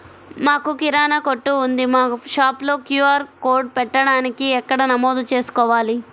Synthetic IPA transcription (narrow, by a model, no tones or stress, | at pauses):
maːkukiɾaːnɐkoʈːuːnd̪imaːuʃaːplo̞ːkjuːaːɾkoːɾɖ̚pɛʈːɐɽaːnikiɛkːɐɽɐnɐmoːd̪ut͡ʃe̞ːsu̥kɔːʋaːli